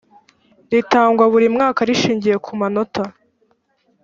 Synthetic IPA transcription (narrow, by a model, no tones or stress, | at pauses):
ɾitaːŋɡwaβuɾimŋaːkaɾiʃiːɲɟije̞kʰumano̞ta